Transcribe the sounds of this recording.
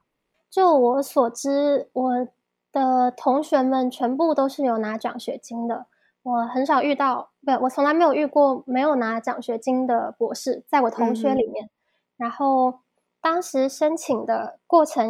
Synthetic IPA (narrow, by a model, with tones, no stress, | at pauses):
t͡ɕjo˥˩ʊwɔ˧˥swɔ˨˩ʈ͡ʂɻ̩˥wɔ˨˩ | d̪̥ə˦t̪ʰʊ˧˥ŋɕɥɛ˧˥mə˨nt͡ɕʰɥɛ˧˥npu˥˩t̪o˥ʊʂɻ̩˥˩jo˧˩ʊna˧˥ʈ͡ʂɑ̰˨˩ŋɕɥɛ˧˥t͡ɕi˥ŋd̪ə˨ | wɔ˨˩xə˧˥nʂɑ˨˩ʊy˥˧t̪ɑ˥˩ʊm˧˥wɔ˨˩t͡sʰʊ˧˥ŋla˧˥m˧˥ɪjo˨˩y˥˧kwɔ˥˩me˧˥ɪjo˨˩ʊna˧˥t͡ɕɑ̰˨˩ŋɕɥɛ˧˥t͡ɕi˥ŋd̪ə˨pwɔ˧˥ʂɻ̩˥˩t͡sa˥˩ɪwɔ˨˩t̪ʰʊ˧˥ŋɕɥɛ˧˥li˨˩mjɛ˥˩n | ɻa˧˥nxo˥˩ʊ | t̪ɑ˥ŋʂɻ̩˧˥ʂə˥nt͡ɕʰi˨˩ŋd̪ə˦kwɔ˥˩ʈ͡ʂʰɤ˧˥ŋ